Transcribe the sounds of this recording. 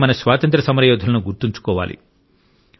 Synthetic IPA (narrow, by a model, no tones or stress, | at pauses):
mɐnɐsʋaːt̪ɐnt̪ɾɐsɐmɐɾɐjoːd̪ʱɐlɐnuɡuɾt̪uɲt͡ʃu̥kɔːʋa̰ːlḭ